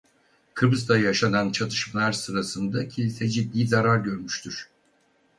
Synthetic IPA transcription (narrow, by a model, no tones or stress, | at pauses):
kʰɯbɯzd̪ajjaʃanant͡ʃʰat̪ʰɯ̥ʃmlˠaɾsɯɾasɯnd̪acʰilʲisɛd͡ʒid̪ːiːzaɾaɾɟø̞ɾmyʃt̪ʰyɾ̥